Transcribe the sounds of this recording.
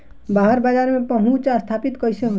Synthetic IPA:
baɦəɾbad͡ʒaːɾmẽpəɦũt͡ʃast̪ʰapit̪kəjseɦo

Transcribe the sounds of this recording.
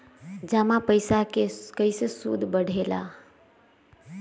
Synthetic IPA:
d͡ʒəmapəɪsakekəɪsesṵd̪ʱbəɽʱela̰

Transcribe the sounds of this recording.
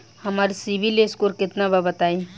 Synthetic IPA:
hɐmaːɾisibʱileskoːɾkɪt̪nababət̪aːĩ

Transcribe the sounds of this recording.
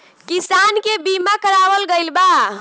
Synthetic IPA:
kisankebimakəɾabəlɡəjlba

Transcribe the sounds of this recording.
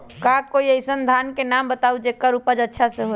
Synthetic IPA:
kakoiəɪsənd̪ʱankenambət̪aud͡ʒekːaɾupəd͡ʒətːʃʰasẽɦo

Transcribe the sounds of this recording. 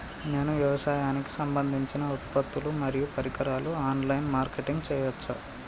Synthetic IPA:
neːnuʋjɐʋɐsaːjaːniki̥sɐmbɐnd̪ʱiɲt͡ʃinɐut̪̚pɐt̪ːulumɐɾijupɐɾikɐɾaːluaːnlɐjnmaːɾkeʈiŋɡt͡ʃɛːjʋɐt͡ʃːa

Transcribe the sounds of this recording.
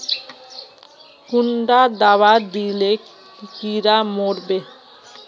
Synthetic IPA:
kuɳɖad̪awad̪ile | kiɾamoɽbe

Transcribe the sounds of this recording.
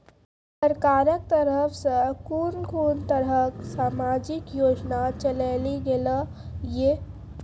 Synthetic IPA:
səɾkaɾək̚t̪əɾəpʰsə̃kuːɾnkuːnt̪əɾɦəksaːmad͡ʒikjoːd͡ʒnat͡ʃəleliɡelə | je

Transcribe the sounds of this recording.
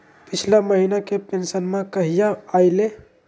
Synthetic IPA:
pit͡ʃʰlaməɦinakepensənmẽkəɦijaːjle

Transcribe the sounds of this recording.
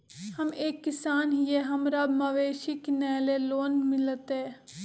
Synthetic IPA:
hɐmeːkːɪsaːnɦijeɦɐmɾɐbmɐʋeːʃiknɛːleloːnmɪlət̪ɦɛ̃ː

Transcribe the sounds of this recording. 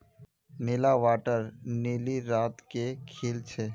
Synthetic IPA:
nɪlaʋaːʈəɾniːliɾaːt̪kekʰeːlt͡ʃʰeː

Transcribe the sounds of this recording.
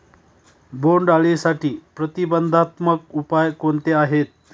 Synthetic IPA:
boɳɖaɭisaʈiːpɾət̪ibənd̪ʱat̪mək̚upajkont̪eaɦet̪̚

